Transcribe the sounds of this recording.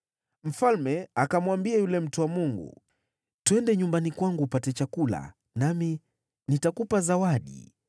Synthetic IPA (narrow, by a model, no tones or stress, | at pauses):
m̩falmɛakamwambiajulɛm̩tuwamuŋɡṵ | twɛndɛɲumbanikwaŋɡupatɛt͡ʃakula̰ | nami | nitakupazawaɗḭ